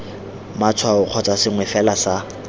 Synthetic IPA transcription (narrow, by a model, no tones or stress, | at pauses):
mat͡sʰwaʊq͡χʰɔt͡sʼasɪŋwɛfɛlasa